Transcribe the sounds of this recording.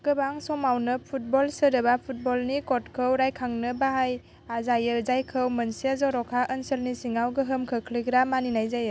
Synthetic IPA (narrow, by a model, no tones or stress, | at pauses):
ɡ̥ɯbaŋsɔmawnɯpʰut̚bɔlsəɾɯbapʰut̚bɔlnikɔt̚kʰɯwɾajkʰaŋnɯbaɦaj | azajɯɾzajkʰɯwmənsiazɔɾɔkʰaʔənsəlnisiŋawɡɯɦɯmkʰɯkʰliɡɾamaninajzajɯ